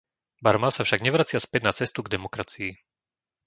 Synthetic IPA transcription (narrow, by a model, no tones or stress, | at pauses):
baɾmasafʃaɡɲɛʋɾat͡sɪaspɛd̪nat͡sɛst̪uɡd̪ɛmɔkɾat͡sii